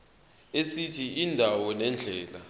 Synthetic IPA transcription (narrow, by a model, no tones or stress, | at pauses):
esitʰiindʱawɔnɛnd͡ɮʱɛːla